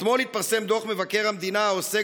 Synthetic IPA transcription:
t̪molit̪paʁsemd̪oχmevakeʁhamd̪inaaose

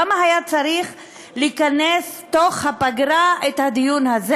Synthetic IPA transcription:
amaɦajat͡saɾiχ | likanestoχhapaɡɾaʔethad̪ijunhaze

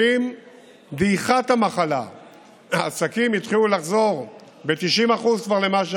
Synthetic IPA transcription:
im | d̪iχat̪hamaχala̰ | aːsakimit̪χilulaχzo̞ʁ | bet̪iʃimaχuzkvaʁlemaʃ

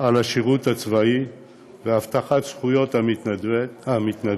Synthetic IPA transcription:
alaʃiʁut̪hat͡svai | veaft̪aχat̪sχujo̞t̪aiehamit̪na

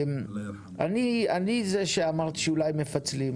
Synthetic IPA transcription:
m | a̰nianizeʃeamaʁt̪i̥ʃeulajmefat͡slim

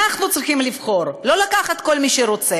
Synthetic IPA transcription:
aχnut͡sʁiχimlivχo̞ɾlo̞lakaχat̪̚ko̞lmiʃeɾo̞t͡se

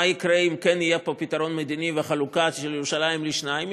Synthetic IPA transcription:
aikʁeimkenijepopit̪aʁo̞nmed̪iniveaχalukatiʃeljeʁuʃalaimliʃnaim

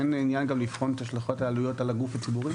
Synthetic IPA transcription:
eninjanɡamlifχo̞net̪haʃlaχo̞taːlujo̞talaɡufat͡sibuʁi

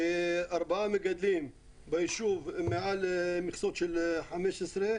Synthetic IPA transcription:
ʔɑɾˤbaʕamɪɡad̪lim | bɪʃuvmeʕalmɪxsot̪ʃɪlħameʃɪsɾe

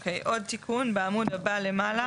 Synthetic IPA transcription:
kʰejʔɔɾt̪ʰikʰunbamud̪ɐbalemala

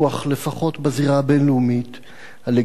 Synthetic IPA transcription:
aχle̞faχo̞tbaziʁabenlumit | hale

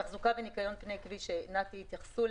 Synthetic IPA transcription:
aχzukavenikajo̞npnejkviʃenakt̪ihːt̪jaχsu

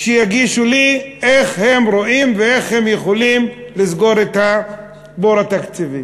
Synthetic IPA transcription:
ʃejaɡiʃulieχhe̞mɾoʔimveeχhemjeχolimlizɡo̞ɾet̪ha | boɾat̪akt͡sivi

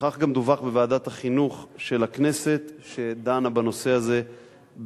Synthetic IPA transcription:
χaχɡamd̪uvaχbevaːd̪at̪haχinuχʃe̞lakne̞se̞t̪ʃe̞d̪aːnabano̞se̞aze̞ | b

